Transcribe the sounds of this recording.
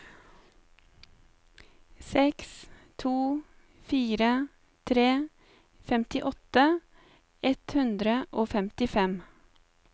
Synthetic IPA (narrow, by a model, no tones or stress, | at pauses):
sɛkst̪ʰuː | fiːɾə | t̪ʰɾeː | fɛmt̪ɪʔɔt̪ə | ɛt̪hʉnd̪ɾəʔoːfɛmt̪ɪfɛm